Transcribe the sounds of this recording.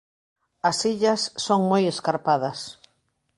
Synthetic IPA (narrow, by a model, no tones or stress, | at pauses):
ɐsiʎɐsːoŋmojeskaɾpaðɐs